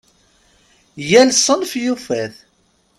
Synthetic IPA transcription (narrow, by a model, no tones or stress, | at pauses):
jælsˤənfjufæθ